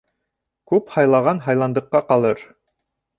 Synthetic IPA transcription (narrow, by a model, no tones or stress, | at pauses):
kʉphɑjlˠɑʁɑnɦɑjlˠɑnd̪ɤ̆qːɑqɑlˠɤɾ